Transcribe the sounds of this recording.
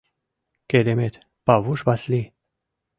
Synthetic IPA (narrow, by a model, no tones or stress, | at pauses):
ked̪emet̪ | pavuʃbasli